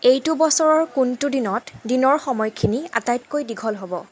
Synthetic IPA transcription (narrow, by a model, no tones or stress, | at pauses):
ejtʊbɔsɔɹɔɹkuntudinɔtdinɔɹxɔmɔjkʰinia̰tajtkojdiɡʱɔlɦobɔ